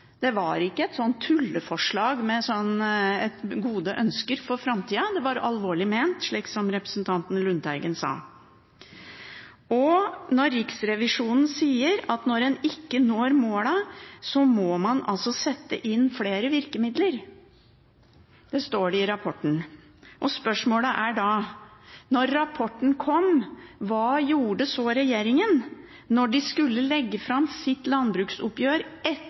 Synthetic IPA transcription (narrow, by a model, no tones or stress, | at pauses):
d̪̥ɛʋɑɾɪkːəɛt̪sɔnt̪ʰːʉlːəfɔʂɭɑːɡmɛsɔnːɛt̪ɡuːd̪əʔœnskəɾfɔɾfɾɑmt̪ʰiːɑd̪ɛʋɑɾɑlʋoːɭɪmeːnt̪ʂɭiːksɔmɾɛpɾə̥snt̪ʰɑnt̪n̩lʉnt̪æɾɡənsɑ̰ː | ɔnɔɾːɪksɾɛʋɪʂuːnn̩siːəɾɑt̪nɔɾɛnɪkːənoːɾmoːlɑsɔmɔːmɑnɑlsɔsɛt̪ːə̰ʔɪnːfleːɾəʋɪɾkəmɪd̪ləɾ | d̪̥ɛst̪oːɖɪɾɑpʰɔʈːən̩ | ʔɔspœʂmoːləʔæɖɑ | nɔɾːɑpʰɔʈːn̩kʰɔmʋɑːjuːɖəsɔːɾɛjeːɾɪŋən | nɔɖɪskʉlːəlɛɡːəfɾɑmsɪt̪lɑnbɾʉːksʊpjøːɾɛ